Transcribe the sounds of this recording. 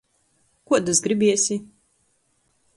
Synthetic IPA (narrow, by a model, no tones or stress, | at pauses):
kuɔd̪uzɡɾibʲiɛsʲi